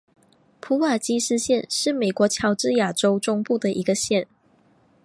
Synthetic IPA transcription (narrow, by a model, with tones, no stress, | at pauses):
pʰu˧˥wa˨˩t͡ɕi˥ʂɻ̩˥˧ɕjɛ˥˧nʂɻ̩˥˩me˨˩ɪkwɔ˧˥t͡ɕʰjɑ˧˥ʊʈ͡ʂɻ̩˥˩ja˨˩ʈ͡ʂo˥ʊʈ͡ʂʊ˥ŋpu˥˩d̪ə˩ʔi˧˥ɡə˧ɕjɛ˥˩n